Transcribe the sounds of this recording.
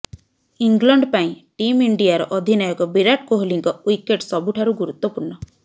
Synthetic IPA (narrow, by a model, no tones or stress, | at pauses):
iŋɡlɔɳɖpaĩʈimiɳɖijaɾɔʔɔd̪ʱinajɔkɔbiɾaʈ̚koɦoliŋkɔwikeʈsɔbuʈʰaɾuɡuɾut̪wɔpuɾɳɔ